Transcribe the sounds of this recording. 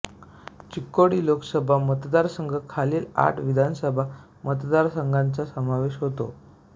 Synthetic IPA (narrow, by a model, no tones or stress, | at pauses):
t͡ɕikːoɽiːlokəsəbʱamət̪d̪aɾsəŋɡʱəkʰaliːla̰ʈʰʋid̪ʱansəbʱa | mət̪d̪aɾsəŋɡʱant͡sasəmaʋeɕɦot̪o̰